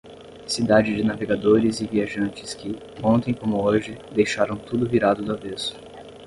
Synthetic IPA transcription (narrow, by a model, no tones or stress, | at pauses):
sid̪ad͡ʒɪd͡ʒɪnaveɡad̪oɾɪzɪviaʒɐ̃nt͡ʃɪskɪ | õnt̪ẽj̃kõmʊoʒɪd̪ejʃaɾɐ̃w̃t̪ud̪ʊviɾad̪ʊd̪avesʊ̥